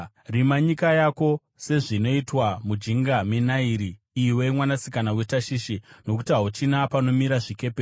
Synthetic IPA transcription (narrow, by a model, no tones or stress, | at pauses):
rimaɲikajako̞ | se̞ʐino̞itwamud͡ʒiŋɡamenaiɾi | iwe̞mwanasikanawe̞taʃiːʃino̞kutiɦaɦot͡ʃinapano̞miɾaʐike̞pe